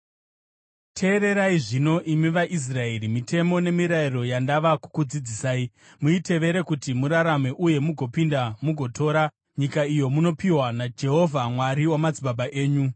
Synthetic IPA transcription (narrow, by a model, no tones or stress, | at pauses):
tʰe̞ːɾe̞ɾaiʐino̞ʔimiʋaʔis̬rae̞ɾimitʰe̞mo̞ne̞miɾairo̞jandaʋaku̥kud͡zid͡zisaːi | muitʰe̞ʋe̞ɾe̞kutimuɾaɾame̞ʔuje̞muɡʱo̞pindamuɡʱo̞tʰo̞ːɾa | ɲikaijo̞muno̞piwanad͡ʒe̞ɦo̞vʱamwaɾiwamad͡ziɓaɓaʔe̞ːɲu